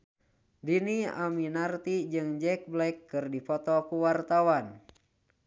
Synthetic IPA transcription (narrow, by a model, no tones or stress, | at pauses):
dinia̰minart̪id͡ʒɨŋd͡ʒɛk̚blɛjkːɨrdipɔt̪ɔkuwart̪awan